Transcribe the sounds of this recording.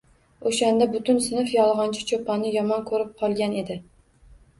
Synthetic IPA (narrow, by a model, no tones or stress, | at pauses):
oʃand̪abʊt̪ʊnsɪnɪfjɒlˠʁɑnt͡ʃʰɪ̥t͡ʃʰopanɪjɒmɒnkʰɵɾɪp̚qʰɒlˠɡʲane̞d̪ɪ